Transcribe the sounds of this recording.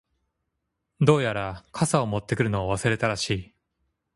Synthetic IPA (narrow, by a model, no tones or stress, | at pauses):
d̪o̞ːjaɾakʰasao̞mo̞t̪ːe̞kɯ̟ɾɯ̟no̞aβasɨɾe̞t̪aɾaɕiː